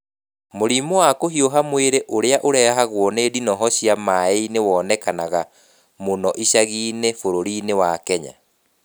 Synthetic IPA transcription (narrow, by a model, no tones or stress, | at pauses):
moɾimowakohioɦamweɾeʔoɾeaʔoɾɛaɦaɣwɔneːdinɔɦɔɕiamaeinewɔːnɛkanaɣa | monɔʔiɕaɣiːnefoɾoɾinewakɛɲa̰